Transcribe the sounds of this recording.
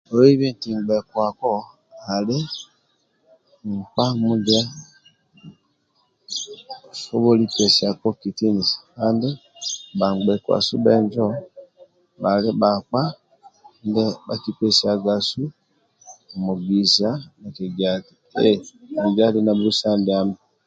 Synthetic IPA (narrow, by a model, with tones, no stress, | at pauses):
o˨i˦βi˦nti˨ŋɡ͡bɛ˨kwa˨kɔ˦ | a˨le˦ | ŋ̩˨k͡pa˦mu˦d͡ʒa˦ | fo˦βo˦li˦pɛ˨si˨a˨kɔ˦ki˨ti˦ni˨sḁ˨ka˦nde˦ba˨ŋɡ͡bɛ˨kwa̰˨su˦bɛ˦nd͡ʒɔ˦ | ba˨le˦ba˨k͡pa˦ | ndɛ˦ba˨ki˦pɛ˨sia˨ɡa˨su˦˨ | mu˨ɡi˨za˦na˨kɛ˨ɡa˨ti˨ɛ˦bi˨d͡ʒa˦li˦na˨bu˦sa˦ndɛ˨a˦mbɛ˨